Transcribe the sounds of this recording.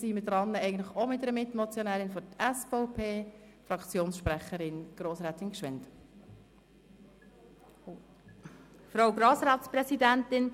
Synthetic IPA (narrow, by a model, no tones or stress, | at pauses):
simədɾɑnːəɛɡən̩tləχomɪtːəɾəmɪt̪mɔt͡sjɔnæːɾɪnfɔtɛsfɔʊpʰeː | fɾɑkt͡sjoːnsʃpɾɛχəɾɪnɡ̥ɾoːsɾɛːt̪ɪnkʃʋɪnt | fɾoʊɡɾoːsɾɑːt̪spɾɛsidænt̪ɪn